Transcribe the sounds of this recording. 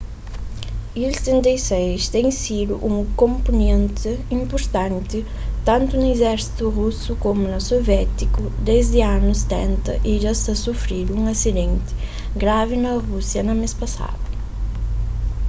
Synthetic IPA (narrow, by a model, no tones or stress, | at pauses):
ilst̪ẽnt̪ejsejst̪ẽŋ̃sid̪ʊ̰ʔũŋkõmponẽnt̪ɪĩmpoɾt̪ãnt̪ɪ | t̪ãnt̪ʊnʊezɛɾsi̥t̪ʊʁusʊkomʊnɐsovjɛt̪ikʊd̪ezd̪ɪanʊse̥t̪ɛ̃nt̪ɐʔiʒast̪ɐsufɾiɾũŋɐsid̪ẽnt̪ɪ̥ | ɡɾavɪnɐʁusjɐnɐmespɐsa̰d̪ʊ